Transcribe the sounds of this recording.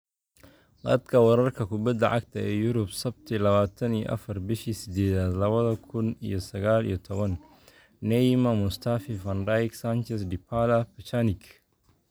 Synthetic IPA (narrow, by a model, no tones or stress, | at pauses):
d̪ɐd̪kʰɐwɑɾɐrkʰɐkʰʊbɐd̪ɐʕɑkt̪ʰɐɛːjʊɾʊbsɐb̚t̪ʰilɐβaːt̪ʰɐnijɔ̰ʔɐ̰fɐrbɪʃisɪd̪ɛːðaːd̪lɐβɐðɐkʰʊnḭjɔsɐɣaːlḭjɔt̪ʰɔβɐn | nɛjmɐmʊst̪ʰafifɐnɾajksant͡ʃɛsdɪpʰalɐpit͡ʃʰanɪkʰ